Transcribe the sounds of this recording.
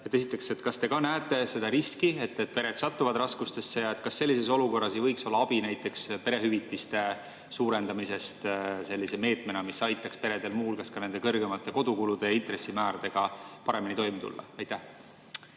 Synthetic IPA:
et̪ːˑe̞sit̪ːˑekse̞t̪kɑst̪e̞kɑnæːt̪ːˑe̞se̞d̪ɑɾiskie̞t̪ːet̪̚pe̞ɾed̪̥sɑt̪ːuvɑd̪rɑskust̪e̞sːe̞jɑet̪kɑsːe̞lʲːise̞so̞luko̞rːɑse̞jvɤjkso̞lːɑɑb̥inæjt̪ːˑe̞kspe̞ɾe̞ɦyvit̪ːist̪e̞ | suːɾe̞nd̪̥ɑmise̞st̪se̞lːiseme̞ːt̪me̞nɑmisɑjt̪ːˑɑkspe̞ɾe̞d̪̥e̞lmuːlkɑskɑne̞nd̪ekɤrɡe̞mɑt̪ːˑe̞ko̞d̪ukulud̪̥e̞int̪re̞sːimæːɾɑd̪e̞ɡ̥ɑpɑɾe̞minit̪o̞jmet̪ṵlːɑ̰ɑjt̪ːæh

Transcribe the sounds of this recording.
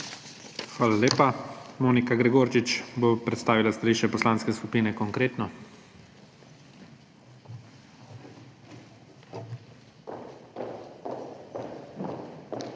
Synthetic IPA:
xʋaːlaleːpamoːnikaɡɾɛɡoːɾt͡ʃit͡ʃbopɾɛt̪st̪aːʋilast̪aliːʃɛpɔslaːnskɛskupiːnɛkɔŋkɾeːt̪nɔ

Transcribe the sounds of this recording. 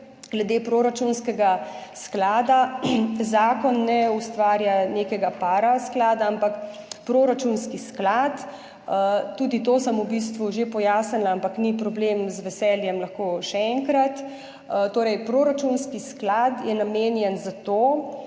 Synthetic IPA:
ɡ̥lɛd̪eːpɾoɾat͡ʃunskɛɡasklaːd̪azaːkɔnːɛust̪ʋaːɾjaneːkɛɡapaɾasklaːd̪aampakpɾoːɾat͡ʃunskisklat̪ | ət̪ːuːd̪it̪oːsəmubis̬t̪ʋuʒepɔjaːsnɛnlaampaknipɾɔbleːmzʋɛsɛljɛmlɐxkoːʃɛɛŋkɾat̪ | t̪oːɾɛjpɾoːɾat͡ʃunskisklaːt̪jɛnameːnjɛnzat̪oː

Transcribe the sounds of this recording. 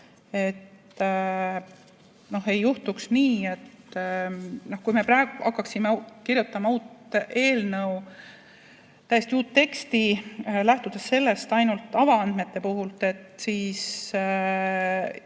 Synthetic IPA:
e̞t̪ | no̞he̞jːuht̪uksniːe̞t̪ | no̞hkujme̞pɾæeɡ̥uhɑkːɑksimekiɾjut̪ːˑɑmɑuːt̪e̞ːlnɤw | t̪æjest̪iuːt̪ːe̞kst̪ilæht̪ud̪̥e̞sːe̞lːe̞st̪ɑjnult̪ːˑɑvɑɑnd̪̥me̞t̪ˑːe̞puɦult̪e̞t̪siːs

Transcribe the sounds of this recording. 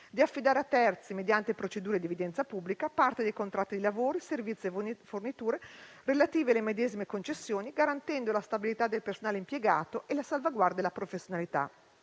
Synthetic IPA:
d̪iafːid̪aːɾeat̪ːɛrt̪simed̪jant̪epɾot͡ʃed̪uːɾed̪ievid̪ɛnt̪sapubːlikapart̪ed̪ejkont̪ɾat̪ːid̪ilavoːɾiservit̪sːiefornit̪uːɾe | relat̪iːvealemed̪ɛːzimekont͡ʃesːjoːniɡaɾant̪ɛnd̪olast̪abilit̪ad̪elpersonaːleimpjeɡaːt̪oʔelasalvaɡward̪aelːapɾofesːjonalit̪a̰

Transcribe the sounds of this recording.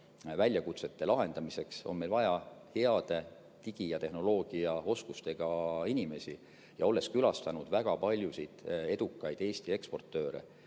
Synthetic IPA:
vælʲːjɑkut̪se̞t̪ːe̞lɑɦe̞nd̪̥ɑmise̞kso̞̰nme̞lvɑjɑhe̞ɑd̪̥e̞ | t̪iɡ̥ijɑt̪e̞ɦno̞lo̞ːɡ̥iɑo̞skust̪e̞ɡ̥ɑinʲime̞si | jɑo̞lːe̞skylɑst̪ɑnud̪væɡ̥ɑpɑlʲjusit̪e̞d̪̥ukːˑɑjd̪̥e̞ːst̪ie̞kspo̞rt̪ːˑø̞ːɾḛ

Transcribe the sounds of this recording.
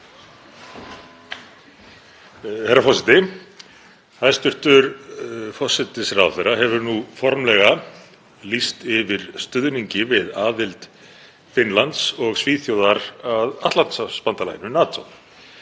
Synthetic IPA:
hɛɾafɔsɛt̪ɪ | ajst̪ʏr̥t̪ʏɾfɔsɛt̪ɪsraːwθɛɾaɦɛvʏɾnufɔɾmlɛɣa | list̪ɪvɪɾ̥st̪ʏðniɲcɪvɪðaːðɪlt̪ | fɪnlant̪sɔɣsviːθjowðaɾaðaht̪lant̪saspant̪ala̰jnʏnaːt̪ʰo̰w

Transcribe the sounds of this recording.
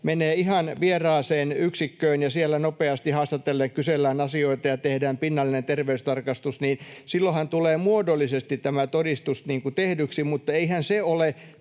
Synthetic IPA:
meneːihɑnʋierɑːseːnyksikːøːnjɑsielːænopeɑst̪ihɑːst̪ɑt̪elːekkyselːæːnɑsioit̪ɑjɑt̪ehdæːmpinːɑlːinent̪erʋeyst̪ɑrkɑst̪usniːnsilːohɑnt̪uleːmuodolːˑisest̪it̪t̪æmæt̪odist̪usniːŋkut̪ehdyksimut̪ːɑeihænseole

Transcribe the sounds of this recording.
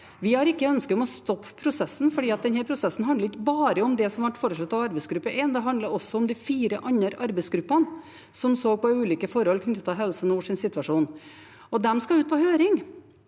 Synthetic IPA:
ʋɪhɑɾɪkːəœnskəd̪ɔmɔst̪ɔpːpʰɾʊsɛsːn̩fɔɖiːɑt̪̚d̪ɛnhæːɾpʰɾʊsɛsːən̩ɦɑnd̪əɾɪkːəbɑːɾəɔmd̪ɛsɔmʋæʈfɔɾʂɑt̪ːɑʋɑɾbɛɪsɡɾʉpːəʔɛnd̪ɛɦɑnd̪ləɾɔsːɔɔmd̪ɪfiːɾəʔɑɲːəɾʔɑɾbɛɪsɡɾʉpːən | sɔmsoːɡ̚pɔʉːliːkəfɔɾhɔlːkʰnʏt̪ːət̪ɑʋɦɛlsənuːʂɪnsɪt̪ʋɑʂuːn | ɔd̪ɛmskɑʉːt̪̚pʰɔhøːɾɪŋ

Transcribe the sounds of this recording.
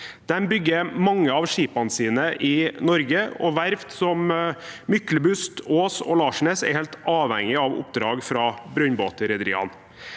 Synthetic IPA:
d̪̥ɛnbʏɡːəɾmɑŋːəɑʋʂiːpɑnsiːnəʔɪnɔɾɡəɔ̰ʋæɾʋt̪sɔmmʏkləbʉst̪oːsɔ̰lɑːʂɳeːsɛ̰ɾheːlt̪ʔɑːʋhɛ̰ŋɪɑʋʊ̰pd̪ɾɑːɡfɾɑːbɾœnboːt̪əɾɛd̪ɾḭːɑ̰n

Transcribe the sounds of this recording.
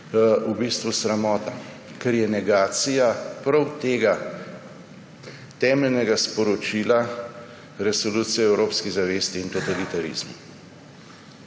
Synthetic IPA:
ubist̪ʋusɾamɔːt̪a | kɛɾjɛnɛɡaːt̪sijapɾɐwt̪eːɡa | t̪ɛːmɛlnɛɡaspɔɾɔt͡ʃila | ɾɛsolut̪sijɛɛwɾoːpskiɣzaʋest̪iːnt̪ot̪alit̪alḭzmu

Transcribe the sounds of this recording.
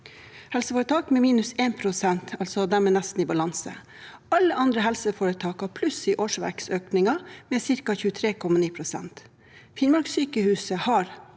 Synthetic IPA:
hɛlsəfoːɾət̪ʰɑːkmeːmiːnʉseːnpʰɾʊsɛnt̪ʰɑlsɔd̪æɾmɛːnæst̪n̩iːbɑlɑnsə̰ | ɑlːəʔɑnd̪ɾəɦɛlsəfoːɾət̪ʰɑːkɑpʰlʉsiːʔoːʂʋæ̰ɾksøːknɪŋɑmeːsɪɾkɑçʉːət̪ʰɾeːkʰɔmɑniːpʰɾʊsɛ̰nt̪ | fɪnmɑɾɡsyːkəhʉːsəhɑɾ

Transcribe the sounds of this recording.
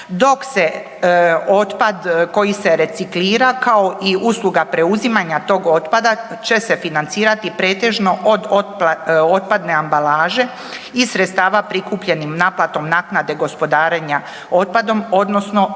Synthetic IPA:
d̪o̞kse̞ | ot̪pad̪ko̞jiseɾe̞t̪sikliːɾakao̞ʔiuːsluɡapɾe̞uzimaɲat̪o̞ːɡo̞t̪pad̪at͡ɕe̞se̞finant̪siːɾat̪ipɾe̞ːt̪e̞ʒno̞ʔo̞d̪opo̞t̪̚pad̪ne̞ambalaːʒe̞ | isɾet̪st̪aːʋapɾikuːpʎe̞nimnaːplat̪o̞mnaːknad̪e̞ɡo̞spo̞d̪aːɾeɲa | o̞t̪̚pad̪o̞mo̞d̪no̞sno̞

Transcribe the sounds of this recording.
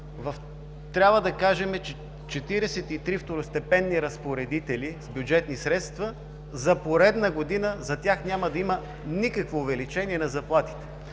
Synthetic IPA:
vɐf | t̪ɾʲabvəd̪ɐkaʒɛmɛt͡ʃɛ | t͡ʃɛt̪iɾɛsɛt̪it̪ɾift̪oɾʊst̪ɛpɛnːiɾɐspoɾɛd̪it̪ɛliz̥bjʊd͡ʒɛt̪nisɾɛt̪st̪və | zɐpoɾɛd̪nəɡod̪inəzɐt̪ʲjaxnʲamɐd̪ɐimə | nikəkvoːvɛlit͡ʃɛniɛnɐzɐplˠat̪i̥t̪ɛ̥

